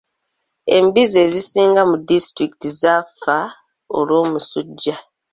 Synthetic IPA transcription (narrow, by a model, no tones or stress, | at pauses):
e̞̰mbizezisiːŋɡamudistɾiki̥tizafa | o̰lwo̞ːmusuɟːa